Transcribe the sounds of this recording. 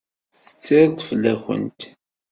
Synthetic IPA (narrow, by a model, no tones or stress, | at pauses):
θt͡sːə̥t͡sːɪɾˤt̪ˤfəlːæxə̰nt̪